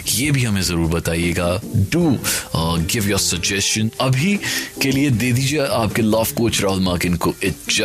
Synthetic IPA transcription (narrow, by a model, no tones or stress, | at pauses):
jeːbʱiɦɐmẽzɐɾuːɾbɐt̪aːieːɡaɖuː | ɡɪʋjɔɾsɐɡd͡ʒɛst͡ʃə̃nɐbʱikelied̪eːd̪iːd͡ʒieʔaːp̚kelɔːfkoːt͡ʃɾɔːlmaːkɪ̃nkoɪtt͡ʃa